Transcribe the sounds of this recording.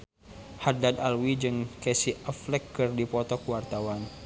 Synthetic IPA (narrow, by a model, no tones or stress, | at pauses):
hadad̪alwid͡ʒɨŋkɛsiəflɛkːɨrdipɔt̪ɔkuwart̪awan